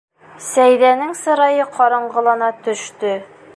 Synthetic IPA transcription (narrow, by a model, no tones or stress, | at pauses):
sæjðænɘŋsɤ̆ɾɑjɤqʰɒɾɤ̆ɴɢɤ̆lˠɑnɑt̪ɵ̆ʃt̪ɵ